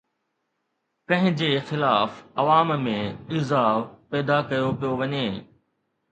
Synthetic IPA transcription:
kɐ̃ɦɪ̃d͡ʑeːxɪlaːfɐʋaːmmẽɪzaːpɛːd̪akɐjopijoʋɐɲeː

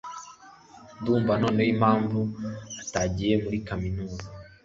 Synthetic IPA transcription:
nduːɱvano̞ːnejimhaːɱvuataɟije̞muɾikaminuːza

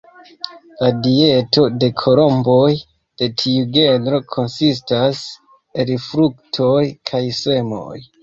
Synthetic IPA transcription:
ladieto̞de̞kʰo̞lo̞mbo̞j | d̥e̞tʰiuɡe̞nɾo̞kʰo̞nsistas | e̞lfɾuk̚tʰo̞jkʰajse̞mo̞̰j

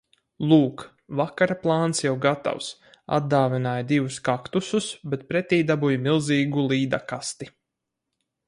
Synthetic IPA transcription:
lˠuːk | vakaɾaplˠaːnsjawɡat̪a̰ws | a̰d̪d̪aːvʲinaːjd̪ivuskakt̪ususbɛt̪̚pɾɛt̪ʲiːd̪abujmilˠziːɡulˠiːd̪akast̪i

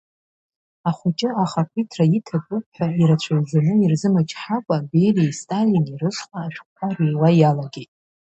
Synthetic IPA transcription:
aχʷʊt͡ʃʼɪaχakʷʰitʰraitʰakʷʼʊpʰħʷᶣaiɾat͡ɕʷʰajzanɨirzɨmat͡ʃʰʼħakʷʼabe̞jlejstʼalinirɨʂχʷaːʃᶣʷkʰʷarejwajalaɡʲejtʼ

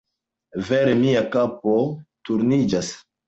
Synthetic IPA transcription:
veɾemiakap̚otuɾnid͡ʒas

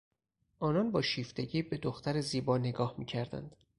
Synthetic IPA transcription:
ʔɒːnɒnbɒːʃiːft̪e̞ɟiːbe̞d̪oxt̪æɾeziːbɒːne̞ɡɒːhmiːcʰæɾd̪æ̰nd̪̥

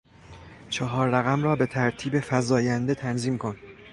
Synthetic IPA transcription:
t͡ʃʰɒɦɒːɾːæɣæmrɒːbe̞t̪ʰæɾt̪ʰiːbe̞fæzɒːjænd̪e̞t̪ʰænziːmkʰo̞n

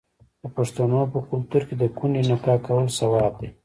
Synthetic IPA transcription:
d̪̥əpaʂt̪anopəkʊlt̪uɾked̪əkunenakɑkawəlsawɑb̚d̪e

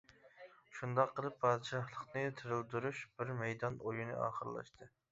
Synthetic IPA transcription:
ʃund̪ɑqʰːəlˠɨpʰːɑːd̪ɨʃɑhlˠəqnɨt̪ʰɨɾɨlˠd̪uɾuʃb̥ɪɾmɛjd̪ɑnojunɨ̰ʔɑ̰ːχəɾlˠɑ̰ʃt̪ʰɨ

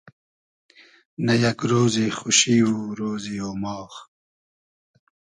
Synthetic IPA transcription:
nɐjɐkɾoːzixuɕiwuɾoːzioːmɑːx

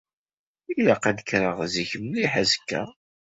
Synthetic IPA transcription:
ilaqæd̪əkɾəʁziçəmliħazəkːæ̰

